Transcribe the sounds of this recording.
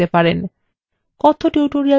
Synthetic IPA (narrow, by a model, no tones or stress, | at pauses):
epaɾen | kɔt̪ʰoʈewʈoɾia